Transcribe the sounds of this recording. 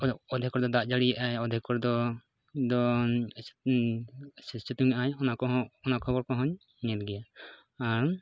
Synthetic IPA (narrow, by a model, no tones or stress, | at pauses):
ɔd̪ʱikɔɾd̪ɔd̪aʔd͡ʒaɽijaʔajɔd̪ʱikɔɾd̪ɔ | d̪ɔ | sɛt͡ʃɛt̪uɲaʔajɔnakɔɔnakʰɔbɔɾkɔɦɔɲ | ɲɛt̪ɡɛja | aɾ